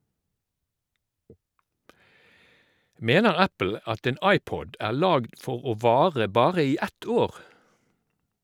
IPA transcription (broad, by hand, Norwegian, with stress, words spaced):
ˈmeːnəʁ ˈæpl̩ ˈɑt ˈeːn ˈɑɪˌpɔd ˈæːʁ ˈlɑːɡd ˈfɔʁ ˈoː ˈʋɑːʁə ˈbɑːʁə ˈiː ˈɛt ˈoːʁ